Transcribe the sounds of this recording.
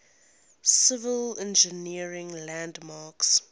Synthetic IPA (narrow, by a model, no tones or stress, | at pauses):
sɪvəlɛ̃nd͡ʒəniəɹɪ̃ŋlæ̃ndmɑːks